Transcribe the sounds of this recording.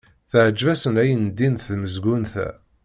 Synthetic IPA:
θəʕəd͡ʒvæsənæjənd̪inθməzɡunθæ̰

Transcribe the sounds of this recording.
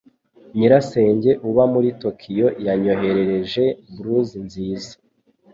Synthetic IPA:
ɲiɾase̞ːɲɟe̞ʔuβamuɾito̞kʰijo̞jaɲo̞ɦe̞ɾe̞ɾe̞ʒe̞bɾuzinziːzḁ

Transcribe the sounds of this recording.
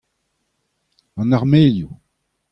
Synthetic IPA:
ɑ̃naʁmeːlju

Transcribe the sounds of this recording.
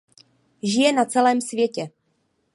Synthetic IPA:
ʒɪjɛnat͡sɛlɛːmsvjɛcɛ

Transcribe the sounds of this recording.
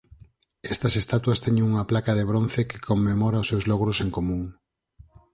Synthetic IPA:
ɛst̪ɐsest̪at̪wɐst̪ɛɲẽŋuŋɐplakað̞eβ̞ɾonθekɪ̥kʰomːemɔɾaʊsːewzlɔɣ̞ɾoseŋkomũŋ

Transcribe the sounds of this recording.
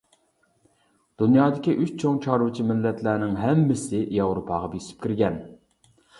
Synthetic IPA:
d̪̥unjɑːd̪ɪkʲiʔyt͡ʃt͡ʃʰoŋt͡ʃʰɑɾut͡ʃʰimɪlːɛt̪ʰlæːnɪŋɦɛmːɪsɪjɑwɾopʰɑːʁɑbisʰɪ̥p̚kʲiɾɡʲɛn

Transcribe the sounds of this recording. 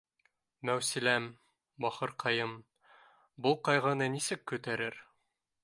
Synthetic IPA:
mæwsilæm | bɒχɤɾqʰɑjɤm | bulˠqɒjʁɑnɤnisɘkːʉt̪æɾɘɾ

